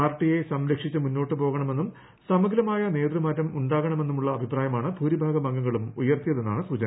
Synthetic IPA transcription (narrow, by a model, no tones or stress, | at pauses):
aːrʈːije̞sɐmɾɐkʂit͡ɕːɨmunːo̞ːʈːɨpo̞ːɣɐɳɐme̞nːum | sɐmuɡɐlɐmaːjɐne̞ːd̪rɨmaːtːɐmuɳɖaːɣɐɳɐme̞nːumuɭːɐːbʱipraːjɐmaːɳɨbʱuːɾibʱaːɡɐbɐŋɡɐŋːɐɭumujɐrt̪ijɐðe̞nːaːɳɨsud͡ʑɐn